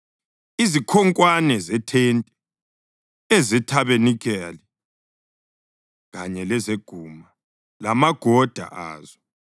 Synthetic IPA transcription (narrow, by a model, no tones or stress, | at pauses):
izikʰɔŋkʼwanɛzɛtʰɛntʼɛ | ezɛtʰaβenikʰɛlɛ | ɣaɲɛlɛzeɡ̥ʱuːma | lamaɡ̥ʱɔd̥ʱa̰ʔa̰ːzɔ